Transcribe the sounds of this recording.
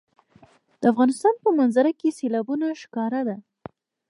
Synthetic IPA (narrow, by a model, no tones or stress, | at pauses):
d̪̥əafɣɑnɪst̪ɑnpəmanzaɾakeselɑbunaʃkɑɾad̪a